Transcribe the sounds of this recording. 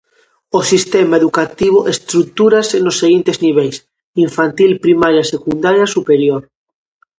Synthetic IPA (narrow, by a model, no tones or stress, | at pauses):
osist̪emaeðukat̪iβoʔest̪ɾuk̚t̪uɾasenosːeɣint̪ezniβejs | iɱfant̪ilpɾimaɾjasekund̪aɾjasupeɾjoɾ